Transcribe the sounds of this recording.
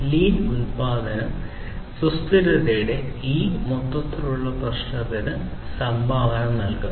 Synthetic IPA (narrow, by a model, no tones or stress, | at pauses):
liːnunpaːd̪ɐnɐm | sust̪iɾɐðejɽe̞iːmot̪ːɐt̪ːɐruɭːɐprɐʂnɐt̪ːinɨ | sɐmbʱaːʋɐnɐmnɐlku